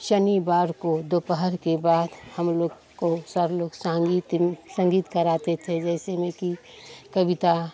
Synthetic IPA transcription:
ʃənibaːɾkod̪opəɦəɾkebaːd̪həmloːɡ | kosəɾloːɡsãɡit̪sə̃ŋɡiːt̪kəɾaːt̪et̪ʰed͡ʒɛːsemẽki | kəbɪt̪a

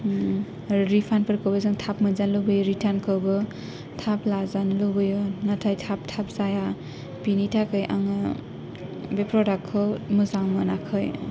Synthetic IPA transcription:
ɾipʰanpɯɾkɔwbazaŋtʰapmɯnzanlowbɯjɔɾitʰankɔwbɯ | tʰaplazanlɯbɯjɔnatʰajtʰap̚tʰapzaja | pinitʰakɯjʔa̰ŋa | bepɾɔdakʰːɯmɯzaŋmɯnakʰɯj

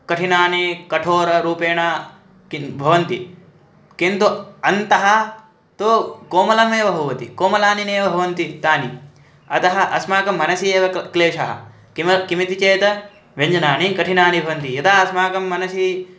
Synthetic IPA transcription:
kɐʈʰinaːnikɐʈʰoːɾɐɾuːpeːɳa | kibʱɐʋɐnt̪i | kint̪uɐnt̪ɐɦɐ | t̪okoːmɐlɐmeːʋɐbʱɐʋɐt̪ḭkoːmɐlaːnineːʋɐbʱɐʋɐnt̪it̪aːni | ɐt̪ɐɦɐ̆ʔɐsmaːkɐmːɐnɐsieːʋɐkleːʃɐɦɐ̰ | kmkimit̪it͡ʃeːt̪ɐ | ʋɐɲd͡ʒɐnaːnikɐʈʰinaːnibʱɐʋɐnt̪ijɐt̪ɐɦɐɐsmaːkɐmːɐnɐsi

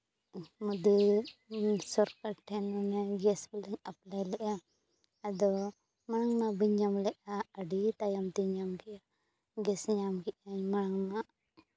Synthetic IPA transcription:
mud̪u | sɔɾkaʈʰːɛnɔnɛɡɛsbɛlɛɲap̚lajlɛʔa | ad̪ɔ | maɽ̃aŋmabiɲamlɛʔaəɖit̪ajamt̪iɲamkɛʔa | ɡɛsɲamkɛʔaɲmaɽ̃aŋmaʔ

